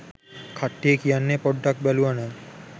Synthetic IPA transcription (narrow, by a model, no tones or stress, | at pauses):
kʰaʈːiekijanːepɔɖːak̚bɛluana